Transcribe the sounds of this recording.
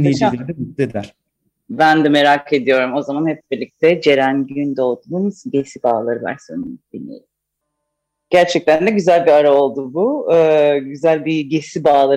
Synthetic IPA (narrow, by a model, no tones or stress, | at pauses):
nit͡ʃalɾd̪ɛmud̪ed̪æɾ̥ | bænd̪ɛme̞ɾakʰe̞d̪ijo̞ɾumo̞zamanhɛp̚biɾlʲic̚t̪ʰɛd͡ʒe̞ɾænɟynd̪o̞d̪ununɟe̞sibaːlˠaɾɯva̰ɾsønyd̪̥inːḛɾim | ɟ̥æɾt͡ʃʰɛc̚t̪ʰænd̪ɛɟyzælʲbiaɾao̞lˠd̪ubuɯːɟyzælʲbiɟe̞sibaːlˠa